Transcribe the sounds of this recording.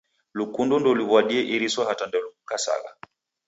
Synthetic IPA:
lukundɔndɔliβwaɗiɛʔiɾiswahatandɛluukasa̰ɣa̰

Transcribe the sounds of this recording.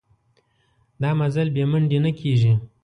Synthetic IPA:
d̪ɑmazalbeməɳɖenakʰeʒi

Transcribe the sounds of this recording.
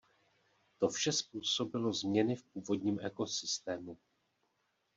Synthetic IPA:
t̪o̞fʃɛspuːso̞bɪlo̞zmɲɛnɪfp̚uːvo̞dɲiːmʔɛko̞sɪst̪ɛːmu

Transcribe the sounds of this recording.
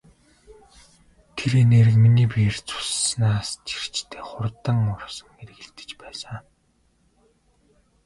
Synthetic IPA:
t̪ʰeɾeneɾɘ̆kminiːpiːrt͡sʰu̥snaːst͡ɕi̥r̥t͡ɕt̪ʰeːχʊrt̪ə̆ŋʊrsə̥̆ŋɡeɾɘ̆ɣĕɮt̪ɘ̥̆t͡ɕpæːsə̆ŋ

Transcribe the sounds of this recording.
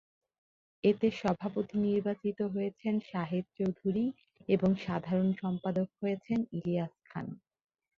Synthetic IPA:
et̪eʃɔbʱapot̪iniɾbat͡ɕit̪oɦojet͡ɕʰenʃaɦit̪̚t͡ɕowd̪ʱuɾi | eboŋʃad̪ʱaɾonʃɔmpad̪ok̚ɦojet͡ɕʰeniliaskʰa̰n

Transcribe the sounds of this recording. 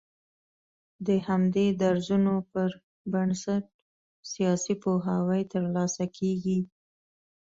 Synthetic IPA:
d̪əhamd̪ed̪aɾzunopəɾ | bansaʈ̚ | sijɑsipoɦɑwəjt̪əɾlɑsakʰeɡi

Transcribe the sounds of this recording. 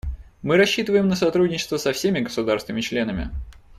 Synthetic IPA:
mɨɾɐɕːit̪əvəjɪmnəsɐt̪ɾudʲnʲɪt͡ɕɪ̥st̪vəsɐfsʲemʲɪɡəsʊd̪aɾst̪vʲɪnəmʲɪt͡ɕlʲe̞nəmʲɪ̰

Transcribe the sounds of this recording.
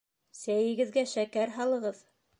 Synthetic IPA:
sæjɘ̆ɡɘ̆ðɡæʃækæɾɦɑlˠɤ̆ʁɤð

